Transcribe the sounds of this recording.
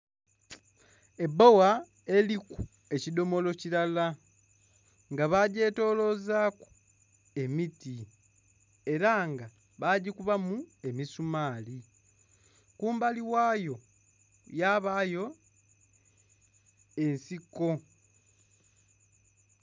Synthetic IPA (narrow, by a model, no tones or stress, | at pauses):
e̞bowa | e̞liku | e̞cido̞mo̞lo̞cilala | ŋɡaβaɟe̞ːto̞ːlo̞zaːku̥ | e̞miti | e̞ɾaŋɡa | βaːɟikuβamue̞misumaːli | kuːmbaliwaːjo̞ | jaːβaːjo̞ | e̞nsikːo̞